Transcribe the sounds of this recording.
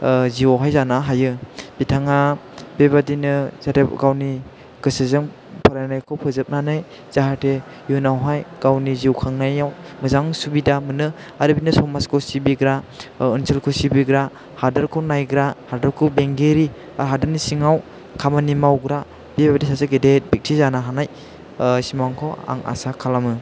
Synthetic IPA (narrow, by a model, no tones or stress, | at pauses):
ziɔɦajzanaɦajɯb̥itʰaŋa | b̥eβadinɯz̥atepɡawni | ɡ̥ɯsezɯŋ | pʰaɾajnajkʰɔwpʰɯzɯp̚nanɯj | z̥aɦatʰe | junawɦajɡ̥awniziwkʰaŋnajawmɯzaŋsubidamɯnɯ | aɾibinɯsɔmaskʰɔsibiɡɾaɯnsʰelkʰɔsibiɡɾa | hadaɾkʰɯwnajɡɾahaɾdaɾkʰɯwbeŋɡeɾi | aɦadɯɾnisiŋaw | kʰamanimawɡɾa | b̥ibbadesasaɡedet̚bik̚tʰizanaɦanaj | simaŋkʰɔwa̰ŋa̰sakʰalamɯ